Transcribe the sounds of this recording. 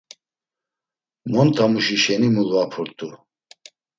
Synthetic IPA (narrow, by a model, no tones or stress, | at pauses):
mɔnt̪ʰʼamuʃiʃɛnimuluapʰuɾt̪ʼu